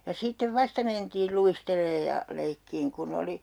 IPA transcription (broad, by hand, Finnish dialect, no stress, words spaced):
jɑ sitːeʋ ʋɑstɑ mentiːl luisteleːj jɑ leikːiːŋ kun oli